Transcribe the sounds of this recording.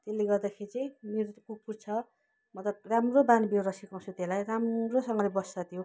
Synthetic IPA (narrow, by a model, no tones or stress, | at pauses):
t̪elːeɡʌrd̪akʰeɾit͡sʌj̃meɾokupurt͡sʰʌ | mʌt̪lʌb̚ramrobanbioɾʌsikãsʰut̪elajramrosʌŋɡʌlebʌst͡sʌt̪ʰijo